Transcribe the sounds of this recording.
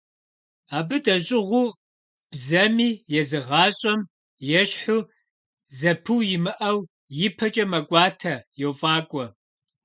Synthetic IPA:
aːbɨdɐɕʼɪʁʷuː | b̥zɐmiːjɛzɨʁɑːɕʼɐm | jɛɕħuː | zɐpʰɨwjɪmɨʔɐw | jɪpʰɐt͡ʃʼɐmɐkʷʼɑːtʰɐjowfʼɑːkʷʼɔ

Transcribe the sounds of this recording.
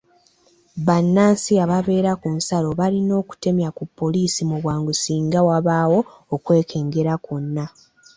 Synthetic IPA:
βanːaːnsiaβaβe̞ːɾakunsalo̞βalino̞ːku̥te̞mjakupːo̞liːsimuβwaːŋɡusiːŋɡawaβawo̞ː | kwe̞ːkʰe̞ːŋɡe̞ɾakonːa

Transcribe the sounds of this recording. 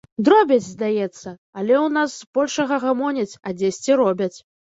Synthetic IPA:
d̪ɾɔbʲɐt͡sʲzd̪ajɛt̪sːɐ | ɐlʲɛwnasb̥ɔlʲʂɐɣɐɣamɔnʲɛt͡sʲɐd͡zʲesʲt͡sʲiɾɔbʲɐt͡sʲ

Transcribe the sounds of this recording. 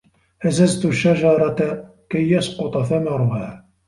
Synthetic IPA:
ʔazazt̪ʊʃːad͡ʒɑɾˤɑt̪a | kajːɑsˤqʊt̪ˤɑθamɑɾˤʊhaː

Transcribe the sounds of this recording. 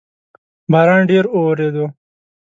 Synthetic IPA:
bʱaːɾɑ̃nɖeːɾowɾed̪o

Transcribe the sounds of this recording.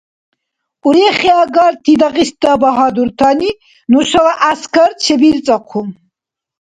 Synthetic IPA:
uɾɛχiaɡaɾt̪ʰid̪aqis̚d̪abaɦad̪uɾt̪ʰani | nusalaʔaskʰaɾt͡ʃʰɛbiɾt͡sʼaqʰum

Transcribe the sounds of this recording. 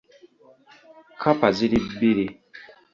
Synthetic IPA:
kʰapaziɾibiɾi

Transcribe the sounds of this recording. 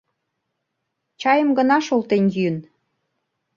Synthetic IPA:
t͡ɕɑjəmɡənɑʃolt̪enjyən

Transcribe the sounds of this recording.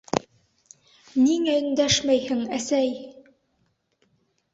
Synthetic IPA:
niŋæɘ̆nd̪æʃmæjhɘŋæsæj

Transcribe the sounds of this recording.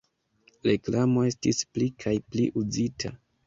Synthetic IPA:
ɾe̞klamo̞e̞stisplikʰajplḭʔud͡zitʰa̰

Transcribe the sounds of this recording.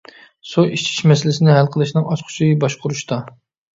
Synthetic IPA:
soit͡ʃʰi̥ʃmɛsɪlɪsɪnɪɦælqʰəlˠɨʃnɨŋɑt͡ʃqʰʊ̥t͡ʃʰijɪbɑʃqʰʊɾuʃt̪ɑ

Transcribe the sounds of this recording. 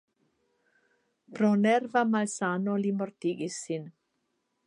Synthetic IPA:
pɾonɛrvamalsanolimoɾt̪iɡisin

